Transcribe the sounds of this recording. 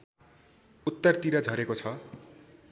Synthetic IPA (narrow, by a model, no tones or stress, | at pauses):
ut̪ːʌrt̪iɾad͡zʱʌɾekot͡sʰʌ